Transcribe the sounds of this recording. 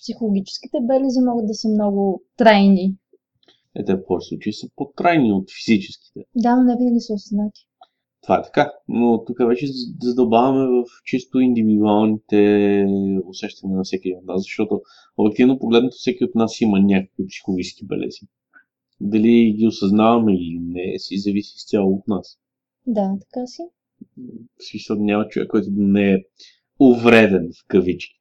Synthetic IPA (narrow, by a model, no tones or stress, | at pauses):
psixolˠoɡʲit͡ʃɛ̥sk̟it̪ɛbɛlɛzimɔɡəd̪̚d̪ɐsəmnɔɡʊt̪ɾajni | ɛ̰t̪ɛfxɔɾisˠut͡ʃɐisəpot̪ɾajniot̪fizit͡ʃɛski̥t̪ɛd̪anonɛbinɛlʲisəosəznat̪ʲi̥ | t̪ovaɛt̪ɐ̥kanot̪ukəvɛt͡ʃɛzɐd̪obavɐmɛvɐft͡ʃist̪oind̪ivid̪ualˠnit̪ɛ | osɛʃt̪ɐnʲinɐfsɛkʲiɛd̪inot̪naszɐʃt̪ɔt̪o | obʲjɛk̚t̪ivnopoɡlɛd̪not̪o̥fsɛkʲiot̪nasimənʲakə̥kvipsi̥xʊvisk̟ibɛ̰lʔɛ̰zi | d̪ɐliɡʲiʊsɐznavɐmɛiliinɛsizɐvisʲist̪ʲjalˠoːt̪nas | d̪at̪ɐ̥kasi | smisəlˠnʲamət͡ʃovɛ̰kːɔjt̪ʊd̪nɛɛ | ovɾɛd̪ɛnfkɐvit͡ʃi̥